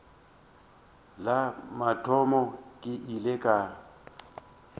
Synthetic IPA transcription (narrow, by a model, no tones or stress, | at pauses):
lamatʰʼɔmɔkʼɪʔilekʼa